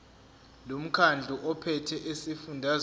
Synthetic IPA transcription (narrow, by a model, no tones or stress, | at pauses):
lom̩kʰand͡ɮʱuʔɔpʰɛtʰɛʔesifundʱaz